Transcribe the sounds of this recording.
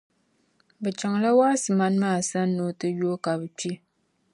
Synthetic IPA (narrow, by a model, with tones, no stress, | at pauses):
bɛ˨t͡ʃa˨ŋla˦waː˦sɨ˨ma˦nmaː˦˨sa˦nː˦o˦tɨ˦jo˦ka˨bɨ˨t͡ʃi˦